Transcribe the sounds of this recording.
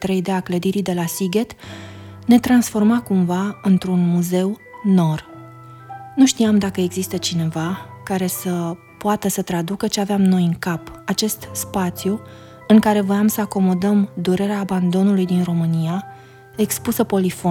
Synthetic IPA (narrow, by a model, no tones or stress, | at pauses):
t̪ɾe̞jd̪eakləd̪iɾid̪e̞lasiɡet̪ | ne̞t̪ɾansfo̞rmakumvaɨnt̪ɾunmuze̞wno̞r | nuʃt̪iamd̪akəe̞ɡzist̪ət͡ʃine̞vakaɾe̞sə | poat̪əsət̪ɾad̪ukət͡ʃeaveamno̞jɨŋkapat͡ʃe̞st̪spat̪sju | ɨŋkaɾe̞vojamsəako̞mo̞d̪əmd̪uɾe̞ɾeaːband̪o̞nulujd̪inro̞mɨnija | e̞kspusəpo̞lifo